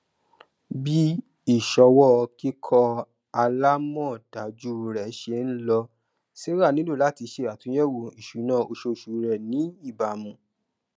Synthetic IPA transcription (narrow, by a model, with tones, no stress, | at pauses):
bi˦ | i˦˨ʃɔ˧wɔ˦˧ki˦kʰɔ˧ | a˧la˦mɔ̃˦˨d̥a˨d͡ʒu˦ɾɛ˨˦ʃe˧˦n̩˦lɔ˧ | si˦ɾa˦˨nĩ˨˦lo˦˨la˨˦ti˧ʃe˧˨a˨tũ˨˦jɛ˦wo˨i˨ʃu˨˦nãː˦˨o˧ʃo˧ʃu˨ɾɛ˨nĩ˨˦i˦˨ba˨mũ˨